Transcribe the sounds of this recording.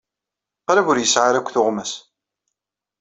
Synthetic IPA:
qɾævʊɾjəsʕaɾækʷːθʊʁmæs

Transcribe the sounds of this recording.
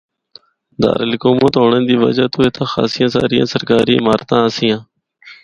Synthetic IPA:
d̪a̰ːɾəlɪkoːmõːt̪ɦoːɳə̃ːnd̪iːʋə̰d͡ʒaːt̪oːet̪ʰãːxa̰ːsɪjãːsa̰ːɾɪjã̰ːsəɾkaːɾiːmaːɾt̪ãːəsɪjãː

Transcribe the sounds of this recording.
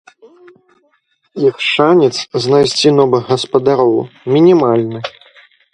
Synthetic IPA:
ixʂanʲɛt̪sznajsʲt͡sʲinɔvɨɣɣɐspɐd̪aɾɔwmʲinʲimalʲnɨ

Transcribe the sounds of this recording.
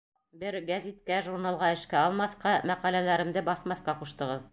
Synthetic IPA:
bɘɾɡæzʲit̪kæʒuɾnɑlˠʁɑɘ̆ʃkæɑlˠmɑθqɑmæqælælæɾɘ̆md̪ɘbɑθmɑθqɑquʃt̪ɤ̆ʁɤð

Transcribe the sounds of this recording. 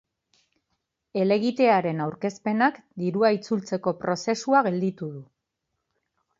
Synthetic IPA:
e̞le̞ɣit̪e̞aɾe̞nawɾke̞spe̞nakd̪iɾuait͡sult͡se̞ko̞pɾo̞se̞suaɣe̞ld̪it̪uðu

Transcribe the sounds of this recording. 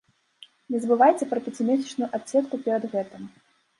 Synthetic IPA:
nʲɛzbɨvajt͡sʲɛpɾɐpʲɛt͡sʲimʲɛsʲɛ̥t͡ʂnujuʔat̪ʲsʲɛt̪kupʲɛɾɐd̪ɣɛt̪ɨm

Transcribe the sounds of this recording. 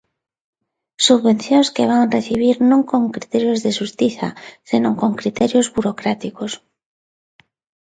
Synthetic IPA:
suββẽn̟θjonskeβ̞aŋreθiβ̞iɾnõŋkoŋkɾit̪eɾjozðeʃust̪iθa̰senõŋkõŋkɾit̪eɾjozβuɾokɾat̪ikos

